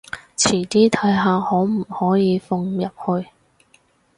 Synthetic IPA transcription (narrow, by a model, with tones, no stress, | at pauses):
t͡sʰiː˨˩t̪iː˥t̪ʰɐ˨˥jɦaː˨˧hɔː˨˥m̩˨˩hɔː˨˥jiː˨˧fʊ˧ŋjɐ˨p̚hɵ˧ɥ